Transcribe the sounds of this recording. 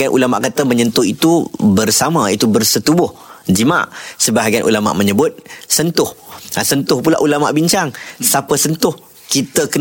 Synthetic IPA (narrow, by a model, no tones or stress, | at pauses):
anʔṵlama̰ʔkat̪əməɲənt̪ʊhit̪ubərsamãit̪ubərsət̪ubʊhd͡ʒima̰ʔsəbaɦaɡianʔṵlama̰ʔməɲəbʊt̪̚sənt̪ʊhasənt̪ʊhpula̰ʔulama̰ʔbiɲt͡ʃaŋsapəsənt̪ʊh | kit̪əkə